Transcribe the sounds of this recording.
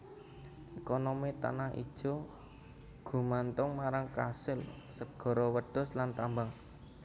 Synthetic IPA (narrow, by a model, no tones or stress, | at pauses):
ʔekonomit̪a̰naɦḭd̥ʒ̥ɔ̤ | ɡ̥ṳmant̪ʊŋmaɾaŋkasɪl | səɡ̥ɔ̤ɾɔwəɖ̥ɔ̤slant̪ambaŋ